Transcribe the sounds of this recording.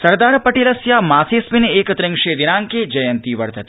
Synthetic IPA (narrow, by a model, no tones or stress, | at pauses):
sɐɾd̪aːɾpɐʈeːləsjamaːsespineeːkt̪ɾɪ̃ŋʂed̪inaːŋked͡ʒɐjənt̪iʋɐɽt̪ɐt̪i̥